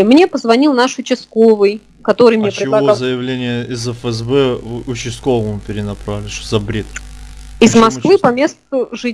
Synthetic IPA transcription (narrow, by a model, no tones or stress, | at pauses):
mnʲe̞pəzvɐnʲilˠnaʂʊt͡ɕɪskovɨj | kɐt̪o̞ɾɨjmnʲet͡ɕpɾʲɪvlˠɐoɐzəjɪvlʲenʲɪjəɪzɛfɛzbɛʊt͡ɕɪskovəmɨpʲɪɾʲɪnɐpɾavɪlʲɪʂzɐbɾʲet̪ɪzmɐskvɨpɐmʲe̞st̪ʊʐɨ